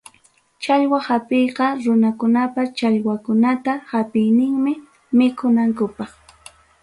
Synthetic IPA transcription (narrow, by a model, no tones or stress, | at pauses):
t͡ʃaʎwahapejqɑɾʊnakʊnapat͡ʃaʎwakʊnat̪ahapɪjnɪŋmɪ | mɪkʰʊnaŋkʊpɑχ